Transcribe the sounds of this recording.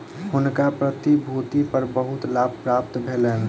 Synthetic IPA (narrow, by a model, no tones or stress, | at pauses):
hʊnkapɾət̪ibʱut̪ipəɾbəɦut̪labʱpɾap̚t̪bʱelɛn